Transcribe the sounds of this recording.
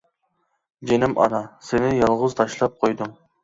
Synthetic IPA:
d͡ʒenɪmʔɑ̰nɑsenɪjɑlˠʁʊzt̪ʰɑʃlˠɑp̚qʰojd̪ʊŋ

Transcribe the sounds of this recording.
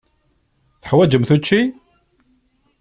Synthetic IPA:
θə̥ħwæd͡ʒəmθut͡ʃːi

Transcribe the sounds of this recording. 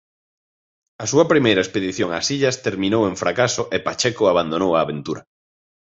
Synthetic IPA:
ɐsuɐpɾimejɾɐespeðiθjoŋa̰siʎɐst̪eɾmĩnowẽɱfɾakasʊʔepat͡ʃɛkʊaβand̪onowaːβent̪uɾɐ

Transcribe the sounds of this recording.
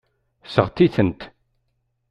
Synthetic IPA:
sə̰ʁt̪iθənt̪

